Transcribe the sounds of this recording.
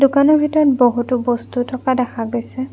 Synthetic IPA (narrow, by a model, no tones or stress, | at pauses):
dukanɔɹbʱitɔɹɔt̚boɦutʊbɔstutʰɔkadɛxʰaɡojsɛ